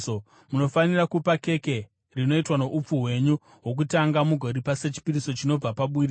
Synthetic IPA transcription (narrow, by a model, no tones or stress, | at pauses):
o | muno̞fanirakupake̞ke̞ | rino̞itwano̞ʔup͡fuɦwe̞ɲu | ɦwo̞k̬utaŋɡamuɡʱo̞ɾipase̞t͡ʃi̥piɾiso̞t͡ʃino̞b͡vapaɓuri